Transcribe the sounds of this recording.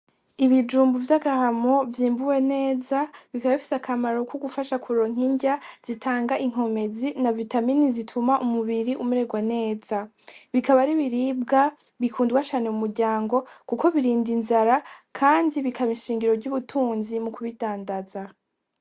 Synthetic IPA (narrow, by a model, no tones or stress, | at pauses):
iβid͡ʒuːmbuvjaɡahamo̞vjiːmbuwe̞ne̞ːzaβikaβaβifi̥sakʰamaɾokʰuɡufaʃakʰuɾoŋ̥iɲɟaz̥itʰaːŋɡaʔiŋ̥o̞me̞zinavitaminizitʰumaʔumuβiɾiʔumuɾe̞ɡwane̞ːz̥a | βikaβaɾiβiɾiːb̚ɡa | βikʰuːndɡwat͡ʃaːne̞umuɾɟaːŋɡo̞kuko̞βiɾiːndinzaɾakʰaːndiβikʰaβiʃiːŋɡiɾo̞ɾɟuβutʰuːnzimukuβitaːndaza